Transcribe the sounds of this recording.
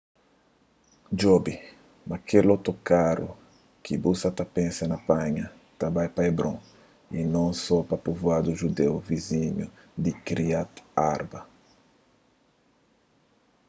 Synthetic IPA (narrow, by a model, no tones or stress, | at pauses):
d͡ʒɔbi | mɐkʰelot̪okaɾṵ | kʰibusɐt̪ɐpẽsɐnɐpãɲɐ | t̪abajpajbɾõ̰ | inɐ̃w̃sɔpɐpuvwad̪uʒud̪ewvizĩɲu | d̪ikɾiat̪aɾbɐ